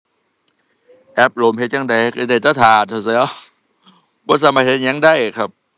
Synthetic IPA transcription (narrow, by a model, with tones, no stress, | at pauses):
ʔɛ˦˥p̚loː˨˦mhe˧˦t̪̚ja˧ŋda˧˦jka˧˩da˧˩jt̪aː˧˩t̪ʰaː˨˩t̪ʰa˧˩sa˧˦ɔ˧˦˩ | bɔː˧˩s̬aː˧˦maː˧˩he˦˥t̪̚ɲɛ˧˦˥ŋdaː˧˩jʔkʰa˦˥p̚